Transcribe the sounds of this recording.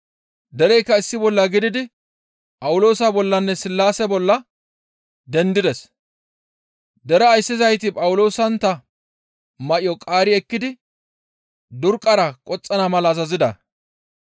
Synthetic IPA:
d̪ɛɾɛjkːɐɪsːɪbɔlːɐɡɪd̪ɪd̪ɪ | pʼɐwʊlo̞ːsabɔlːɐnːɛsɪlːaːsɛbɔlːɐ | d̪ɛnd̪ɪd̪ɛs | d̪ɛɾɛːjsːɪzɐjt̪ɪpʼɐwʊlo̞ːsɐnt̪ɐ | mɐʔɪjɔkʼaːɾɪɛkːɪd̪ɪ | d̪ʊɾkʼːɐɾɐkʼɔt͡sʼːɐnɐmɐlɐːzɐzɪd̪ɐ̰

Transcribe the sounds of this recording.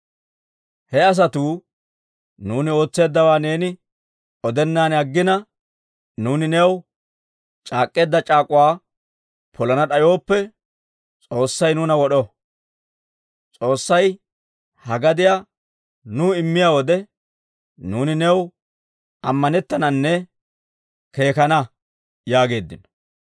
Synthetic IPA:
hɛɐs̬ɐt̪uː | nuːnɪo̞ːt͡sːe̞ːd̪ːɐwaːne̞ːnɪ | ʔɔd̪ɛnːaːnɐɡːɪnɐ | nuːnɪnɛw | t͡ʃʼaːkʼːe̞ːd̪ːɐt͡ʃʼaːkʼʊwaː | pʰɔlɐnɐɗɐjo̞ːpːɛ | t͡sʼo̞ːsːɐjnuːnɐwɔɗɔ | t͡sʼo̞ːsːɐj | hɐɡɐd̪ɪja | nʊɪmːɪjaːwɔd̪ɛ | nuːnɪnɛw | ɐmːɐnɛt̪ːɐnɐnːɛ | ke̞ːkɐnɐ | jaːɡe̞ːd̪ːɪnɔ̥

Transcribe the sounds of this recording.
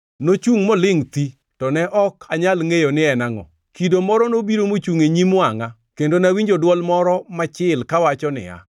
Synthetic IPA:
not͡ʃuŋmɔlɪŋt̪i | tɔnɛʔɔkʰaɲalŋejonɪɛnaŋɔ̰ | kidomɔɾɔnobiɾomot͡ʃuŋeɲimʊaŋa | kendonawiɲd͡ʒodwɔlmɔɾɔmat͡ʃɪlkawat͡ʃɔnɪ̰a̰

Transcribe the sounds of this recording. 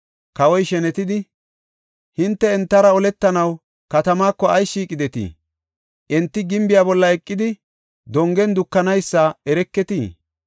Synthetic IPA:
kɐwɔjʃɛnɛt̪ɪd̪ɪ | hɪnt̪ːɛɛnt̪ːɐɾɐɔlɛt̪ːɐnɐw | kɐt̪ɐmaːkːɔɐjʃiːkʼɪd̪ɛt̪ḭː | ʔɛnt̪ːɪɡɪmbɪjaːbɔlːɐɛkʼːɪd̪ɪ | d̪ɔŋɡɛnd̪ʊkːɐnɐjsːaːɛɾɛkːɛt̪iː

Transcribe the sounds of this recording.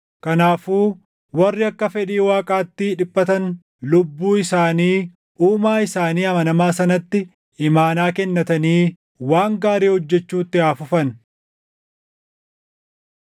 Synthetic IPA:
kɐnaːfuː | wɐrːɪɐkːɐfɛᶑiːwaːkʼaːt̪ːɪᶑɪpːɐt̪ɐn | lʊbːuːɪsaːniː | ʔuːmaːɪsaːniːɐmɐnɐmaːsɐnɐt̪ːɪ | ɪmaːnaːkɛnːɐt̪ɐniː | waːŋɡaːɾeːhɔd͡ʒːɛt͡ʃːuːt̪ːɪaːfʊfɐn

